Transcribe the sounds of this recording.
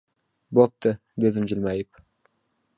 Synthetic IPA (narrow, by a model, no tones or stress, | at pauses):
bop̚t̪ɨ | d̪ed̪ɪmd͡ʒɪlmajɪp